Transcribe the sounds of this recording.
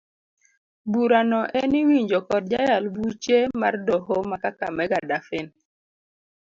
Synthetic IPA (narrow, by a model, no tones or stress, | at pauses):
buɾanɔʔɛniwiɲd͡ʒɔkɔd̚d͡ʒajalbut͡ʃema̰rdɔɦomakaka̰mɛɡadafɪn